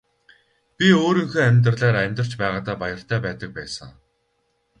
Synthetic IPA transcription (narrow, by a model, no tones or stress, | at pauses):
pʲioːɾĭŋxoːæmʲt̪rəɮaːɾæmʲt̪rə̆r̥t͡ɕpæːʁaːt̪aːpajə̆r̥t̪ʰæːpæːt̪ə̆k̚pæːsə̰̆ŋ